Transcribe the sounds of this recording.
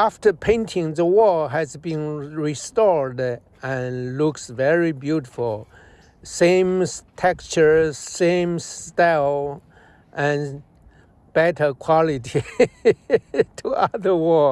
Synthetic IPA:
æftə˞pʰẽɪ̃ntʰɪ̃ŋðəwɔɹɦɨzbĩnɹistɔɹd | ɨ̃nlʊksvɛɹibjuɾɪfəl̩ˠ | sẽɪ̃mtʰɛkt͡ʃə˞sẽmstal | ʔɨ̃n | b̥ɛtə˞kʰw̥ɑlɪti | tʰuʌðə˞wɔɹ

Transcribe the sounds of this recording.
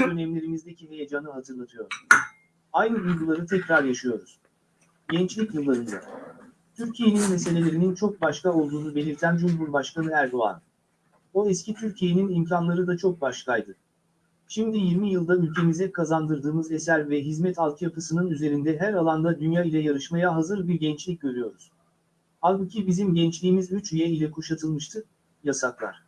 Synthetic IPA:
ø̞nɛmlʲe̞ɾimizd̪ecʰiɦejad͡ʒaːnɯɦat̪ʰɯɾlˠat̪ʰɯjo̞ɾ̥ | ajnɯb̪ujʲɡulˠaɾɯt̪ʰɛcɾaɾjaʃɯjo̞ɾuz̥ | ɟɛnt͡ʃlʲicjɯlˠːaɾɯnd̪a̰ | t̪ʰyɾcʰije̞ninmes̬e̞lʲe̞lʲe̞ɾinint͡ʃʰo̞k̚baʃkao̞lˠd̪uːnube̞lʲiɾt̪ʰænd͡ʒumɦuɾbaʃkanɯæɾd̪o̞a̰n | o̞ɛscit̪ʰyɾcʰije̞ninimcʰanlˠaɾɯd̪at͡ʃʰo̞k̚baʃkʰajd̪ɯ | ʃimd̪ijiɾmijɯlˠd̪aylʲcʰe̞mizɛkʰazand̪ɯɾd̪ɯːmɯze̞sæɾvɛɦizmɛt̪ʰalˠkʰɯjapɯsɯnɯnyze̞ɾind̪ɛɦæɾalˠand̪ad̪ynjaːilʲɛjaɾɯʃmajaɦazɯɾbiɾɟɛnt͡ʃlʲic̚ʲɟø̞ɾyjo̞ɾuz̥ | halˠbucʰibizimɟɛnt͡ʃlʲiːmizyt͡ʃyjɛilʲɛkʰuʃat̪ʰɯlˠmɯʃt̪ʰɯ | jasaklˠa̰ɾ̝̥

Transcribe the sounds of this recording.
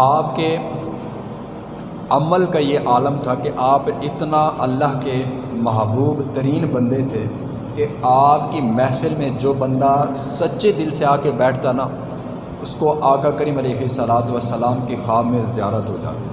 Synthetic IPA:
aːpke | ɐməlkajeʔaːləmt̪ʰakeʔaːpɪt̪naʔɐlːaɦke | mɐɦbuːbt̪ɐɾiːnbɐ̃nd̪et̪ʰe | keaːp̚kimɛːfɪlmẽd͡ʒoːbɐ̃nd̪asɐtːʃed̪ɪlseaːkebɛːʈʰt̪ana | ʊskoʔaːkakəɾiːmɐleːɦɪsːəlaːt̪uʋəsːəlaːmkixaːbmẽzɪjaːɾət̪ɦod͡ʒa̰ːt̪e

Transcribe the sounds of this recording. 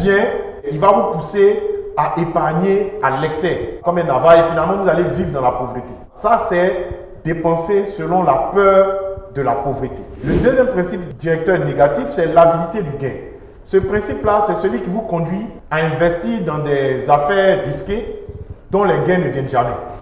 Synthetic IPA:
bjɛ̃ | ilvavupuseaʔepaʁɲealɛksɛkɔmɛlnavaefinalmɑ̃vuzalevivʁd̪ɑ̃lapovʁət̪e | sasɛ | d̪epɑ̃sesəlɔ̃lapœːʁd̪əlapovʁət̪eləd̪øzjɛmpχɛ̃sipd̪iʁɛk̚t̪œʁneɡat̪ifsɛlavilit̪ed̪yɡɛ̃ | səpχɛ̃siplasɛsəlɥikʲivukɔ̃d̪ɥiaɛ̃vɛst̪iʁd̪ɑ̃d̪ɛzafɛːʁʁisked̪ɔ̃lɛɡɛ̃nəvjɛ̃nʒamɛ

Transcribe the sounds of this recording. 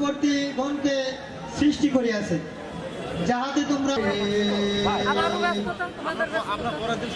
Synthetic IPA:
boɾt̪iɡʱɔnke | sɾisʈikoɾiat͡ɕʰe | d͡ʑaɦat̪et̪omɾa

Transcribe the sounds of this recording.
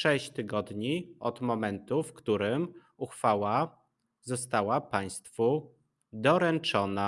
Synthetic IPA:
ʂɛɕt͡ɕt̪ɘɡɔd̪ɲiɔd̪mɔmɛnt̪ufkt̪uɾɘm | uxfawa | zɔst̪awapaj̃st̪fu | d̪ɔɾɛnt͡ʂɔna

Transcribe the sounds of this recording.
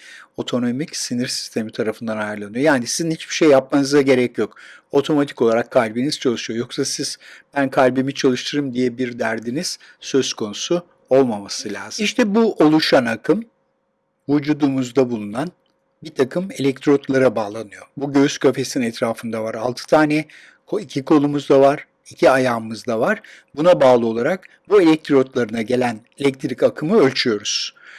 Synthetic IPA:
o̞t̪ʰo̞no̞micsiniɾsi̥st̪ʰe̞mit̪ʰaɾafɯnd̪anajɯɾlˠanɯjo̞jaːnisizinhit͡ʃbiʃejːap̚manɯzaɟe̞ɾɛcjo̞ko̞t̪ʰo̞mat̪ʰi̥ko̞lˠaɾakʰːalʲbiniz̥t͡ʃʰalˠɯʃɯjo̞jo̞ksasiz̥bænkʰalʲbimit͡ʃʰalˠɯʃt̪ʰɯɾɯmd̪ijɛbiɾd̪æɾd̪iniz̥ | sø̞z̥kʰo̞nusu | o̞lˠmamasɯlʲaːziʃt̪ʰɛbuʔo̞lˠuʃanakʰɯm | vud͡ʒuːd̪umuzd̪abulˠunan | bit̪ʰakʰɯme̞lʲɛct̪ʰɾo̞t̪ʰlˠaɾabaːlˠanɯjo̞buɟøyzcʰøfe̞sininɛt̪ɾaːfɯnd̪avaɾalˠt̪ʰɯ̥t̪ʰaːnɛ | kʰoicʰikʰo̞lˠumuzd̪avaɾ̥ | icʰiajaːmɯzd̪avaɾ̥ | bunabaːlˠɯo̞lˠaɾak | bue̞lʲɛc̚t̪ʰɾot̪lˠaɾɯnaɟe̞lʲænelʲɛc̚t̪ʰɾicakʰɯmɯø̞lʲt͡ʃʰyjo̞ɾuz̥

